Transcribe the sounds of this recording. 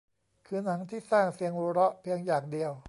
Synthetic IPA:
kʰɯː˧na˩˦ŋt̪ʰiː˥˩saː˥˩ŋsi˧əŋɾuː˧ɾɔ˦˥ʔpʰi˧əŋjaː˨˩ŋdi˧əw

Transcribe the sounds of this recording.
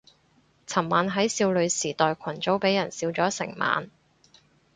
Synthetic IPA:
t͡sʰɐ˨˩mːaː˨˧nɦɐ˨˥jsiː˧wlɵ˨˧ɥsiː˨˩t̪ɔː˨jkʷʰɐ˨˩nt͡so˨˥wpe˨˥jɐ˨˩nsiː˧wt͡sɔː˨˥sɪ˨˩ŋma̰ː˨n

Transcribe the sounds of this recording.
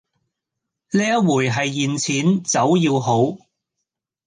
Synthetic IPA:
leː˥ɐ˥wuː˨˩jɦɐ˨jːiː˨nt͡sʰiː˨˥nt͡sɐ˨˥wjiː˧wɦo˨˥w

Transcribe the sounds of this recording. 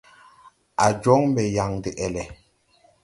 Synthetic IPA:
a˨d͡ʒɔ˦ŋm˦bɛ˨ja˨ŋdi˨ʔɛ˨lɛ˨

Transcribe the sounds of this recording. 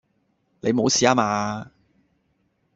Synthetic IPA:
ne˨˧jmo˨˧wsiː˨˦aː˦˥maː˧

